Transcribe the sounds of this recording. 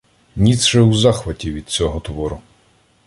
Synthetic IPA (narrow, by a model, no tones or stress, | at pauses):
nʲit̪sʃɛwzɑxʋɐtʲiʋʲid̪̚t͡sʲɔɦɔt̪ʋɔɾʊ